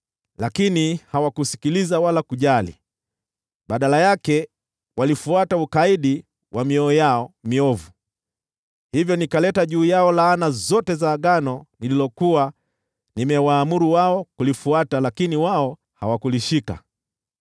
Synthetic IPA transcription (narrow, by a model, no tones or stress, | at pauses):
lakinihawakusi̥kilizawalakuʄalḭ | ɓaɗalajakɛ | walifuataukaiɗi | wʔamiɔːjaɔmiɔvu | hivjɔnikalɛtaʄuːjaɔlaːnazɔtɛzaːɠanɔnililɔkuwa | nimɛwaːmuɾuwaɔkulifuatalakiniwaɔ | hawakuliʃika̰